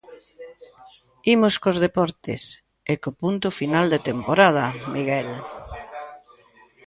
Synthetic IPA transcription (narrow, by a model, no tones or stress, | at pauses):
imoskozð̞epɔɾt̪ɪ̰s | ekopunt̪ʊfinald̪et̪empoɾað̞ɐmiɣɛl